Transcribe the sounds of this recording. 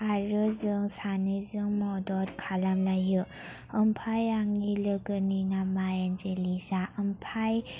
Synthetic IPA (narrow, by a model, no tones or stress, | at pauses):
aɾɯzɯŋsanɯzɯŋmɔdɔɾkʰalamlajɯ | ɯmpʰajaŋːilɯɡɯninamajanzelizaʔəmpʰaj